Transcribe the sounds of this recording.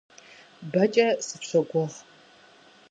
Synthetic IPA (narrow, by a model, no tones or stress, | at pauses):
bɐt͡ʃʼɐsɨpɕʷɐɡʷɔʁ